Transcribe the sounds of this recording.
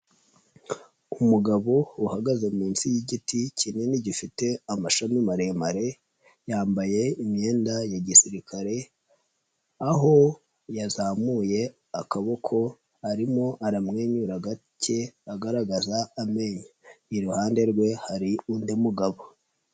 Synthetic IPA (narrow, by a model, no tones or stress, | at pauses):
umuɡaβouhaɡazemiːnsijiɟiticine̞niɟifite̞amaʃamimaɾe̞maɾe̞ | jaːmbaje̞imɲe̞ːndajaɟisiɾikʰaɾe̞ | aɦo̞ | jazaːmuːje̞ | akaβo̞kʰo̞ | aɾimo̞ʔaɾamŋe̞ːɲuɾaɡa | ce̞aɡaɾaɡazaːme̞ɲaiɾuhaːnde̞ɾɡwe̞haɾiundimuɡaβo